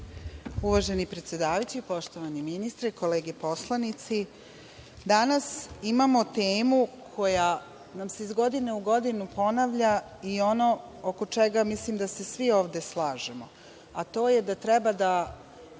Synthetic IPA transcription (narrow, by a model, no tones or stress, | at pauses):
uʋaːʒe̞nipɾe̞t̪sje̞d̪aːʋajut͡ɕeipo̞ʃt̪oʋaniminist̪ɾeko̞leːɡepo̞slˠanit̪si | d̪anasimamo̞t̪eːmu | kʰo̞ja | namse̞izɡo̞d̪ine̞uɡo̞d̪inupo̞naʋʎa | io̞no̞oko̞t͡ʃeɡamislimd̪ase̞sʋio̞ːʋd̪e̞slˠaːʒemo | at̪o̞ːjed̪at̪ɾɛbad̪a